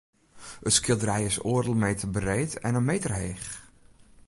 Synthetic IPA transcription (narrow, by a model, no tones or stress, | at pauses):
ətskɪlˠdəɾɛjɪsoərdəlˠmeːtəbərejtʰɛnənmeːtərɦeːx